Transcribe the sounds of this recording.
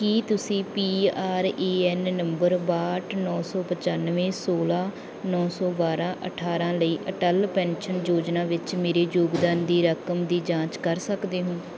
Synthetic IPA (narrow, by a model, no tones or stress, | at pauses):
kiːt̪ʊsĩːpiːaːɾeːɛːnːəmbəɾbaːʈnɔːsɔːpət͡ʃanʋẽːsoːlaː | nɔːsɔːbaːɾãːʔə̰ʈʰaːɾãːləiːʔəʈəlpɛ̃ːnʃənd͡ʒoːd͡ʒnãːʋɪt͡ʃmeːɾeːd͡ʒoːɡd̪aːnd̪iːɾəkəmd̪iːd͡ʒãːt͡ʃkəɾsəkd̪eːɦõː